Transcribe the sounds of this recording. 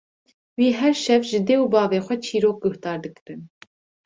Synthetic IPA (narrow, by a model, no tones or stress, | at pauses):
wiːɦɛɾʃɛvʒɨd̪eːubɑːveːxʷɛt͡ʃʰiːɾoːk̚ɡʊht̪ɑːɾd̪ɨkɨɾɨn